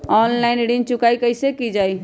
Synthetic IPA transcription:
ɔnlaɪnɽint͡ʃukajkəjsekid͡ʒaj

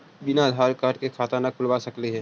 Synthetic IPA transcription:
bɪnad̪ʱaːɾkaːɾʈkekʰaːt̪anakʰʊlʋasɐkliɦɛː

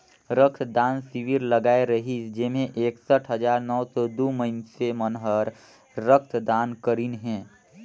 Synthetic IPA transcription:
ɾək̚ʰt̪d̪aːnsɪʋiɾləɡaːeɾəɦid͡ʒemẽʔeːksəʈʰɦəd͡ʒaːɾnɔːsɔd̪oːməɪnsemənɦəɾː | ək̚ʰt̪ʰd̪aːnkəɾinɦɛ̃ː

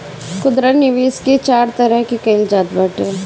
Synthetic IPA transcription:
kʊd̪ɾənɪʋiːskit͡ʃaːɾt̪ɐɾəɦkikɐɪld͡ʒaːd̪bɐʈeː

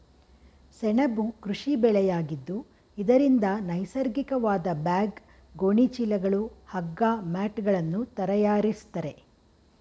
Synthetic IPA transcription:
sɛɳɐbukɾuʂibɛɭɛjaːɡid̪ːu | id̪ɐɾind̪ɐnɐjsɐɾɡikɐʋaːd̪ɐbaːɡ | ɡoɳit͡ʃilɐɡɐɭuhɐɡːaːmaːʈɡɐɭɐnːut̪ɐɾɐjaːɾist̪ɐɾe̞

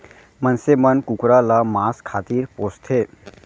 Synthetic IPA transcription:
mənsemənkukɾalamaːskʰaːt̪iːɾpoːst̪ʰe

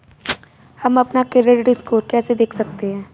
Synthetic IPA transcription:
hɐmɐpnakeɾeɖɾiskoːɾkɛːsed̪eːkʰsɐk̚t̪eɦɛ̃ː

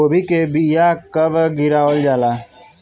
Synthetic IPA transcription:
obʱikebijakəbɡiɾaʋəld͡ʒala

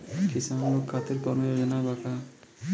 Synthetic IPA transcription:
kisanlokʰːat̪iɾkɔɾmɔjod͡ʒɔnabaka

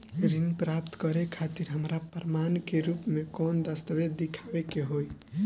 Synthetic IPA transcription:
ɾinpɾapt̪kəɾekʰat̪iɾɦəmɾapəɾmankeɾupmekɔnd̪əst̪əʋed̪d̪ikʰabekeɦoj

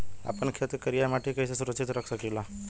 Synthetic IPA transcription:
a̰pəɳkʰet̪kəɾijamaʈekəjsesuɾəkʃit̪ɾəkʰsəkila

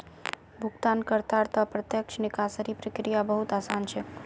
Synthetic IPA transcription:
bʱuɡt̪ankəɾt̪aɾt̪əpɾət̪jəkt͡ʃʰnikasəɾipɾəkɾijabəɦut̪asant͡ʃʰɛ

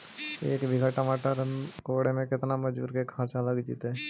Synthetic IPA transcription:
ḛːkbʱɪɡʱaʈamaːʈəɾkoɽemẽkɪt̪naməd͡ʒbṵːɾkekʰãɾt͡ʃɐləɡd͡ʒḭːt̪e

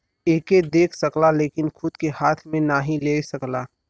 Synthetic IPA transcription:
eːked̪eːkʰsəklaleːkɪnkʰʊd̪kehaːt̪ʰmẽnaːɦĩleːsəklaː

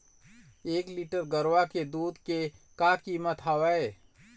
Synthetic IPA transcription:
eːkliːʈəɾɡəɾwaked̪uːd̪kekaːkiːmət̪ɦawəe

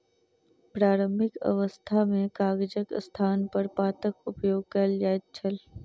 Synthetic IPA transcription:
pɾaːɾəmɪkɐ̰ʋəst̪ʰamẽkaːɡd͡ʒəkst̪ʰaːnpəɾpaːt̪əkʊpjoːɡ̚kɐld͡ʒaːt̪̚t͡ʃʰəl

